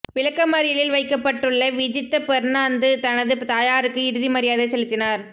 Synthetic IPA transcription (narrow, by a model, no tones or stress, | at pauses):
ʋɪɻɐkːɐmɐɾɪjɐlɪlʋɐɪkːɐpːɐʈːɯɭːɐʋɪd͡ʒɪt̪ːɐpɛɾnaːnd̪ɯt̪ɐnɐðɯt̪aːjaːɾɯkːɯɪɽɯðimɐɾɪjaːðɐsɛlɯt̪ːɪnaːɾ